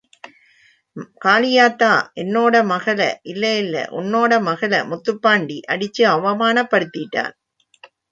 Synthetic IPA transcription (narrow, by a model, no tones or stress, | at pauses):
kaːlɪjaːt̪ːaːʔɛnːoːɽɐmɐɣɐlɐ̰ʔɪlːɐɪlːɐ̰ʔʊ̰nːoːɽɐmɐɣɐlɐ̰mʊt̪ːɯpːaːɳɖiʔɐɽɪt͡ʃːɯɐʋɐmaːnɐpːɐɽɯt̪ːɪʈːa̰ːn